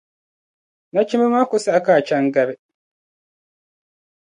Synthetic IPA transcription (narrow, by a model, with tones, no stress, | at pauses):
na˦t͡ʃi˦mɛ˦ma˦kʊ˦sa˦˨a˦kaː˨t͡ʃa˦ŋɡa˨bɪ˦